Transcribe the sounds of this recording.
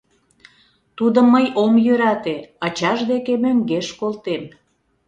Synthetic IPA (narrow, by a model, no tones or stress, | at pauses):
t̪ud̪əməjomjøɾɑt̪eɑt͡ɕɑʒd̪ekemøŋɡeʃkolt̪em